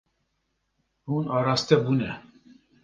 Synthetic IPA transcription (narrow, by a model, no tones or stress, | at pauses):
hunɑːɾɑst̪ɛbuːnɛ